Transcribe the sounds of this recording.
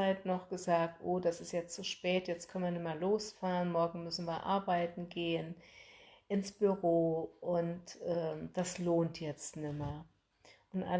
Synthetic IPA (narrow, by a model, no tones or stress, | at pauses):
aɪtnɔχɡ̥əzaːk̚tʔoːdasɪstjɛt͡st͡suʃpɛːtjɛt͡stkʰœnən̩viːɐnɪmɐloːsfaːʁənmɔɐɡŋ̩mʏsn̩viːɐʔa̰ɐbaɪtn̩ɡeːən | ʔɪnsb̥yʁoːʔʊntʔɛːd̥asloːntʰjɛt͡stnɪmɐ | ʔʊntʔa̰